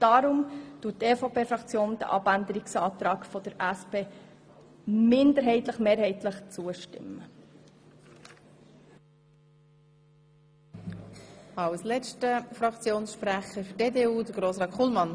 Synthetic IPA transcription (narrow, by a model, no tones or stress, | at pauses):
d̥ɑɾʊmtuːteːfɑpʰeːfɾɑkt͡sjoːnd̥̪ə̰ʔɑ̰bænd̪əɾɪksɑːt̪ɾɑːkfɔd̥əɾæspeː | mɪnd̪əɾɦɛɪt̪ləχmeːɾɦɛɪt̪ləχt͡suəʃtɪ̰mːə | ɑwslɛt͡stəfɾɑkt͡sjoːnsʃpɾæχəfʏdeːdeːuːd̥əɡɾoːsʁɑːtχulmɑn